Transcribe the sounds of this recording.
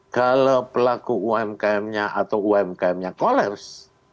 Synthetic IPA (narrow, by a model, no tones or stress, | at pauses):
kalapəlakuuamkamɲaʔat̪awuamkaɛmɲakolɛrs